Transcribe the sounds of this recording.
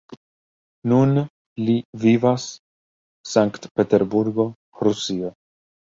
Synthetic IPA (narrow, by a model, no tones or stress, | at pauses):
nun | livivasː | aŋkt̪pe̞t̪eɾbuɾɡo̞ | ɾusio